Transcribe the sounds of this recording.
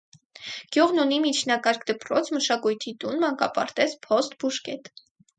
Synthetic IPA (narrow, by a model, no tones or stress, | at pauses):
ɡ̥juʁnunimit͡ʃʰnɑkɑɾkʰd̪əpɾɔt͡sʰməʃɑkujt̪ʰit̪unmɑŋkɑpɑ̰ɾt̪ɛt͡sʰpʰɔst̪̚buʃkɛt̪